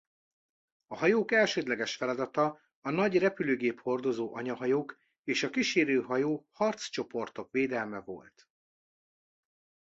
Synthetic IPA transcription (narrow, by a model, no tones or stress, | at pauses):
ɒhɒjoːkɛlʃøːd̪lɛɡɛʃfɛlɒd̪ɒt̪ɒː | nɒɟrɛpyløːɡeːpho̞rd̪o̞zoːʔɒɲɒɦɒjoːk | eːʃɒkiʃeːɾøːɦɒjoːhɒrt̪st͡ʃo̞po̞rt̪o̞kʋeːd̪ɛlmɛvo̞̰lt̪